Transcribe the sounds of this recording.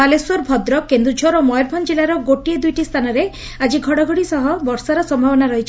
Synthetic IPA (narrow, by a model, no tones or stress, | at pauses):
aleswɔɾbʱɔd̪ɾɔkend̪ut͡ʃʰɔɾɔmɔjɔɾbʱɔnd͡ʒelaɾɔɡoʈied̪ujʈist̪ʰanɔɾe | ad͡ʒiɡʱɔɽɔɡʱɔɽisɔɦɔbɔɾsaɾɔsɔmbʱabɔnaɾɔɦit͡ʃʰ